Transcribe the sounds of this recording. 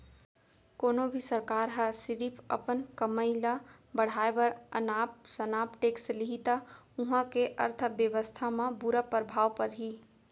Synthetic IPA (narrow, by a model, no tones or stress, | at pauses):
koːnobʱisəɾkaːɾɦəsɪɾipʰə̰pənkəməɪla | bəɽ̤aːebəɾə̰naːp̚sənaːpʈeːksliɦit̪auɦãkeʔə̰ɾt̪ʰəbjəʋəst̪ʰamãbuɾapəɾəbʱaːʋpəɾɦiː